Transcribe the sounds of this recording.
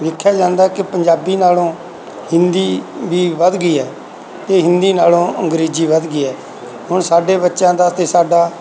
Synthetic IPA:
ʋ̪ɪkʰːjaːd͡ʒãːnd̪aːkɪpəɲd͡ʒaːbiːnaːlõː | hɪnd̪iːʋiːʋəd̪ɡiːɛː | t̪eːɦɪ̃nd̪iːnaːlõːʔə̃ŋɡɾeːd͡ʒiːʋəd̪ɡiːɛː | ɦʊɳsaːɖeːbətːʃãːd̪aːt̪eːsaːɖaː

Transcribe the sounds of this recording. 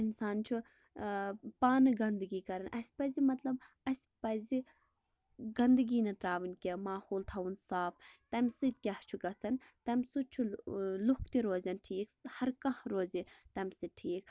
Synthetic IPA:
insaːnt͡ʃʰu | paːnɨɡɐnd̪ɨɡiːkɐɾɐnʔɐsʲpɐzimɐt̪lɐb | ɐsʲpɐzi | ɡɐnd̪ɨɡiːnɐt̪ɾaːʋinkʲemaːhoːlt̪ʰɐwunsaːft̪ɐmʲsɨt̪̚ʲkʲɐht͡ʃʰuɡɐt͡sɐnt̪ɐmʲsut͡ʃʰulukʰt̪iɾoːzɐnʈʰiːkhɐɾkɐhɾoːzit̪ɐmʲsɨʈʰiːk̚

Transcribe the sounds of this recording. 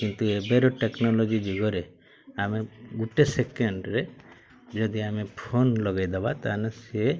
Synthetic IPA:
kint̪uebeɾoʈeknɔlɔd͡ʒid͡ʒuɡɔɾe | ameɡuʈesekeɳɖɾe | d͡ʒɔd̪iamepʰonlɔɡajd̪ebat̪anase

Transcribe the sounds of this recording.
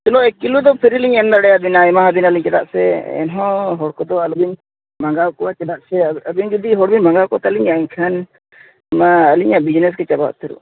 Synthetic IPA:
t̪ulɔɛkːilud̪ɔpʰiɾiliɲɛmd̪aɽɛjabinaɛmaɦabinaliɲt͡ʃɛd̪aʔsɛɛ̰nɦɔ̃ɦɔɽkɔd̪ɔalubiɲ | maŋɡawkɔwat͡ʃɛd̪aʔsɛəbiɲɡud̪iɦɔɽbiɲmaŋɡawkɔt̪aliɲaiɲkʰan | maːliɲaʔbid͡ʒnɛs̬kɛt͡ʃaba̰ʔt̪iɾṵ

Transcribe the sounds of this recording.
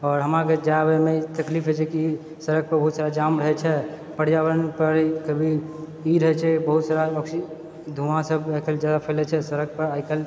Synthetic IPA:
ɔːɾɦəmaked͡ʒabɛmet̪əklipʰɦɛt͡ʃʰɛki | səɾək̚pəɾbəɦut̪saɾad͡ʒamɾəɦɛt͡ʃʰɛ | pəɽ̤jaʋəɾənpəɾkəbʱi | iɾəɦɛt͡ʃʰɛbəɦut̪saɾaəksi | d̪ʱumãsəbajkʰəld͡ʒjad̪apʰəlɛt͡ʃʰɛsəɾək̚pəɾajkʰəl

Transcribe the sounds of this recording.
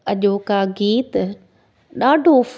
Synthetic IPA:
ɐʄokaɡiːt̪ | ɗaːɖʱof

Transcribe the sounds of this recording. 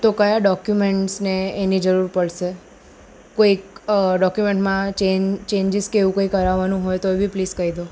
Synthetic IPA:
t̪okəjaɖɔkjumeɳʈsneːnid͡ʒəɾuɾpəɭʃe | koikɖɔkjumeɳʈmãt͡ʃet͡ʃeɲd͡ʒɪskeʋũkoikəɾaʋanũɦojt̪oebipliskəɦid̪o

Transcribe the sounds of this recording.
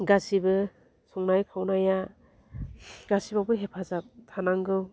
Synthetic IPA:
ɡasibɯ | sɔŋnajkʰawnaja | ɡ̥asibabɯɦepʰazap̚tʰanaŋɡɯw

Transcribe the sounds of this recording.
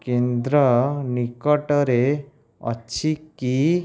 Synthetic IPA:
kẽnd̪ɾənikɔʈəɾe | ə̰ɕʰiki

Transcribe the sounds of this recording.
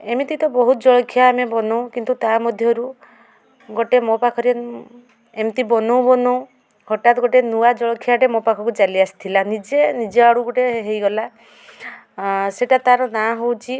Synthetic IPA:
emit̪it̪ɔbɔɦut̪ɔd͡ʒɔɭɔkʰjaːmebɔnow̃kint̪ut̪amɔd̪ʱjɔɾu | ɡɔʈemɔpakʰɔɾe | emt̪ibɔnow̃bɔnow̃ | hɔʈat̪ɔɡɔʈenuad͡ʒɔɭɔkʰjaʈemɔpakʰɔkut͡ʃaliasi̥t̪ʰilanid͡ʒenid͡ʒeaɽuɡoʈeɦejɡɔla | seʈat̪aɾɔnaɦowt͡ʃʰi

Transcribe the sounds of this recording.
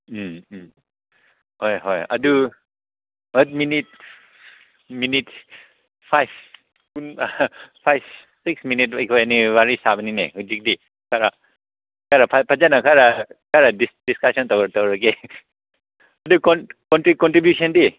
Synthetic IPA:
hɔjɦɔja̰du | ət̚minit̚ | minit | pʰajp̚ʰ | kun | pʰajp̚ʰ | sik̚sminit̚bajkʰɔenibaɾisabaninḛhud͡ʒik̚di | kʰaɾa | kʰaɾapʰapʰazanakʰaɾakʰaɾadisdiskasɔntawatɔwɾake | ɐdukɔnkɔntɾikɔntɾibjusʰɔndi

